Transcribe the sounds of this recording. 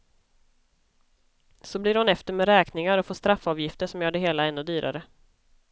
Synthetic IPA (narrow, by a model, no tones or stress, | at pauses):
sɔblɪɾhʊnɛft̪əɾmɛɾɛːknɪŋaɾɔfoːʂt̪ɾafːɑːvjɪft̪əʂɔmjœːɖɛɦeːlaɛnːʊd̪yːɾʔa̰ɾə